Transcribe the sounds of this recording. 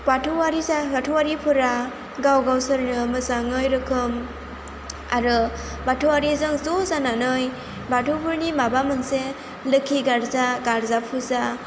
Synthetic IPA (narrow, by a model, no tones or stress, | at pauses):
patʰuwaɾizaɡatʰuwaɾipʰuɾa | ɡawɡawsɯɾnɯmɯsaŋɯjɾɯkʰɯm | aɾɯ | batʰuwaɾizɯŋzozananɯj | batʰupʰuɾnimabamɯnse | lɯkʰːiɡaɾzaɡaɾzapʰuza